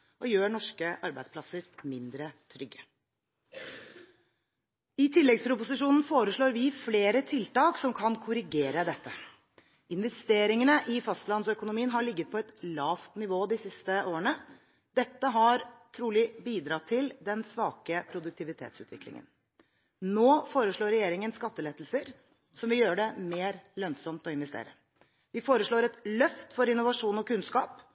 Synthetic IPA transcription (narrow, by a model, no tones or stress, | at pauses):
ʔɔjøːɳɔʂkəʔɑɾbæ̰ɪspʰlɑsəɾmɪnd̪ɾət̪ʰɾʏɡːə | ɪt̪ʰɪlːɛɡspʰɾʊpʊsɪʂuːnn̩foːɾəʂɭoːɾʋɪfleːɾət̪ʰɪlt̪ɑːksɔmkʰɑnkʰʊɾɪɡeːɾəd̪ɛt̪ːə | ɪnʋɛst̪eːɾɪŋənəʔɪfɑst̪lɑnsœkʊnʊmiːənɦɑɭɪɡːət̪̚pʰɔɛt̪lɑːft̪nɪʋoːd̪ɪsɪst̪əʔoːəɳə | d̪̥ɛt̪ːəɦɑɾt̪ʰɾuːlɪbiːd̪ɾɑt̪ʰɪld̪ɛnsʋɑːkəpʰɾʊd̪ʉk̚t̪ʰɪʋɪt̪ʰḛːt̪sʉ̰ːt̪ʋɪklɪ̰ŋə̰n | noːfoːɾəʂɭoːɾɛjeːɾɪŋənskɑt̪ːəleːt̪l̩səɾ | sɔmʋɪljøːəɖɛmeːɾlœnsɔmt̪ɔɪnʋɛst̪ḛːɾə̰ | ʋɪfoːɾəʂɭoːɾɛt̪lœft̪fɔɾɪnːʊʋɑʂuːnɔkʉnskɑːp